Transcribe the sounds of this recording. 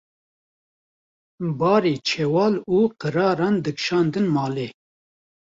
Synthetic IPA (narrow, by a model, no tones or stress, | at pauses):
bɑːɾeːt͡ʃʰɛwɑːluːqəɾɑːɾɑːnd̪ɨkʃɑːnd̪ɨnmɑːle